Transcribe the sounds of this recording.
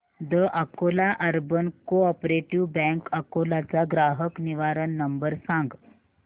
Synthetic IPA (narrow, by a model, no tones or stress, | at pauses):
d̪əʔakolaʔəɾbənkoɔpɾeʈiʋbɛ̃ŋkəkolat͡saɡɾaɦəkniʋaɾənːəmbəɾsãŋɡ